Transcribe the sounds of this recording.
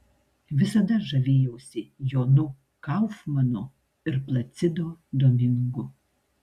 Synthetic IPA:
vʲɪsɐd̪ɐʒɐvʲeːjɛwsʲɪjɔnu | kawfmɐnɔ | ɪɾplˠɐt̪sʲɪd̪ɔd̪ɔmʲɪŋɡʊ

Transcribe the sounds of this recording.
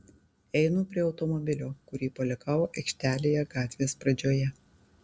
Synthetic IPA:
ɛɪnʊpʲɾʲiɛɒʊt̪ɔmɔbʲɪlʲoːkʊɾʲiːpɐlʲɛkɑːʋoːʔɛɪkʲʃʲt̪ʲæːlʲejɛɡɑːt̪ʲʋʲeːspɾɐd͡ʒʲoːjɛ

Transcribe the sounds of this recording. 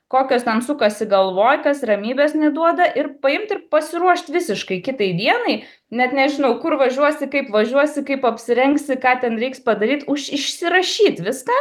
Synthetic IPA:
koːkʲoːst̪ʲɛnsʊkɐsʲɪɡɐlˠʋoːjkɐsrɐmʲiːbʲɛːsnʲɛd̪uɔd̪ɐʔɪrpɐɪmt̪ɪrpɐsʲɪɾuɔʃt̪ʲʋʲɪsʲɪʃkɐɪkʲɪt̪ɐɪd̪ʲiɛnɐɪ | nʲɛt̪nʲɛʒʲɪnɐʊkʊrʋɐʒʲuɔsʲɪkɐɪpʋɐʒʲuɔsʲɪkɐɪpɐpʲsʲɪɾʲɛŋksʲɪkɑːt̪ʲɛnɾʲɛɪkspɐd̪ɐɾʲiːt̪ʊʃɪʃʲsʲɪɾɐʃʲiːt̪ʲʋʲɪskɑː

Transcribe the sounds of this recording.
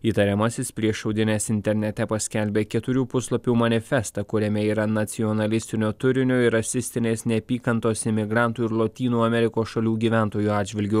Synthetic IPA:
iːt̪ɐɾʲɛmɐsʲɪspʲɾʲiɛʃɐʊd̪ʲɪnʲeːsɪnʲt̪ʲɛɾʲnʲɛt̪ʲɛpɐsʲkʲɛlʲbʲeːkʲɛt̪ʊɾʲuːpʊslˠɐpʲuːmɐnʲɪfʲɛst̪ɐkʊɾʲɛmʲɛiːɾɐnɐt̪sʲiɔnɐlʲɪsʲt̪ʲɪnʲoːt̪ʊɾʲɪnʲoːɪɾɐsʲɪsʲt̪ʲɪnʲeːsnʲɛpʲiːkɐnt̪oːsɪmʲɪɡɾɑˑnt̪uːɪɾlˠot̪ʲiːnuːɐmʲɛɾʲɪkoːsʃɐlʲuːɡʲiːʋʲæˑnt̪oːjuːɑːd̪d͡ʒʲʋʲɪlʲɡʲʊ

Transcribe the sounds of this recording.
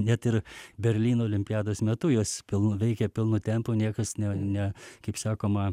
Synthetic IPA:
nʲɛt̪ɪɾbʲɛɾʲlʲiːnoːlʲɪmʲpʲɪjæːd̪oːsmʲɛt̪ʊjoːspʲɪlˠnʋʲɛɪkʲɛpʲɪlˠnuːtʲɛmpuːnʲiɛkɐsnʲɛnʲɛkɐɪpsɑːkoːmɐ

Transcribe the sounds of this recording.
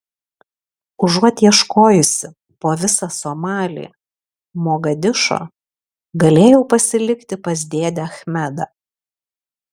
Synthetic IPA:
ʊʒuɔt̪ʲiɛʃkoːjʊsʲɪ | poːʋʲɪsɐsoːmɑːlʲḭː | moːɡɐd̪ʲɪʃo̰ː | ɡɐlʲeːjɛʊpɐsʲɪlʲɪkt̪ʲɪpɐzʲd̪ʲeːd̪ʲɛɐxʲmʲɛd̪ɐ

